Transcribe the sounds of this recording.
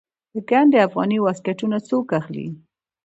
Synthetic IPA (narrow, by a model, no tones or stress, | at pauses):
d̪̥əɡaɳɖeafɣɑniwaskaʈunat͡sokaxlḭ